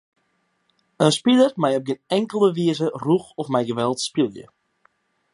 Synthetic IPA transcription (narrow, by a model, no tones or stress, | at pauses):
ənspilərmɛjɔp̚ɡɪnɛŋkəlˠəʋiəzəruxɔfmɛjɡəʋɛlˠtspilˠjə̰